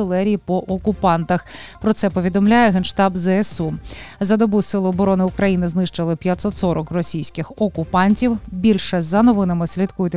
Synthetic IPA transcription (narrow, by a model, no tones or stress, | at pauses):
ɪlˠɛɾʲijipɔʔɔkʊpɑnt̪ɐxpɾɔt̪sɛpɔʋʲid̪ɔmlʲajɛɦɛnʃt̪ɑbzɛɛsuzɐd̪ɔbusɪlˠʊɔbɔɾɔnɪukɾɐjinɪznɪʃt͡ʃɐlˠɪpʲjɐt̪sɔt̪sɔɾɔkrɔsʲijsʲkɪxɔkʊpɑnʲtʲiwbʲilʲʃɛzɐnɔʋɪnɐmɪsʲlʲit̪kujʊt̪